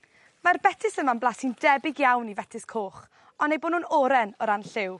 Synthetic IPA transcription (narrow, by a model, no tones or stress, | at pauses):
marbɛtʰɪsəmanblˠasindɛbɪɡjawnivɛtʰɪskʰoːχ | ɔnejboːnuːnɔɾɛnɔɾanɬɪw